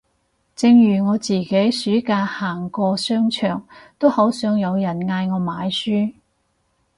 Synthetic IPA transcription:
t͡sɪ˧ŋjyː˨˩ŋɔː˨˧t͡siː˨˩ke˨˥jsyː˨˥kaː˧haː˨˩ŋkɔː˧sœː˥ŋt͡ʃʰœː˨˩ŋt̪o˥whɐ˨˥wsœː˨˥ŋjɐ˨˧wjɐ˨˩nŋaː˧jŋɔː˨˧maː˨˧jsyː˥

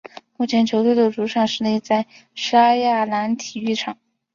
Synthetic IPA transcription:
mu˥˩t͡ɕʰjɛ˧˥nt͡ɕʰjo˧˥ʊt̪we˥˩ɪd̪ə˩ʈ͡ʂu˧˥ʈ͡ʂʰɑ˥˩ŋʂɻ̩˥˧ni˥˩t͡sa˥˩ɪ | ʂa˥ja˥˩la˧˥nt̪ʰi˨˩y˥˩ʈ͡ʂʰɑ˨˩˦ŋ

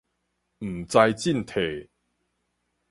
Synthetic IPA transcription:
m̩˨˩t͡sa˧jt͡ɕi˥˨nt̪ʰe˨˩

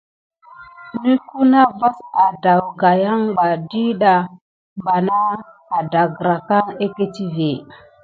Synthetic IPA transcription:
ni˦ku˦na˦va˦sa˨da˨wɡa˨ja˦ŋba˨di˦ɗa˨ | mba˨na˦ | a˨da˨ɡɾa˨ka˦ŋe˦ke˦ti˦ve˨

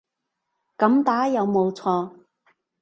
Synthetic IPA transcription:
kɐ˨˧˥mt̪aː˨˥jɐ˨˧wmo˨˧wt͡sʰɔː˧

